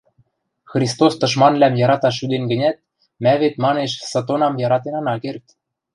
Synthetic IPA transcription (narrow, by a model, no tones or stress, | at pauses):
xrʲist̪ost̪ɤ̆ʃ̬mɑnlæmjɑɾɑt̪ɑʃ̬yd̪enɡɘ̆nʲæt̪̚ | mæβet̪mɑneʃsɤ̆t̪̬onɑmjɑɾɑt̪enɑnɑkert̪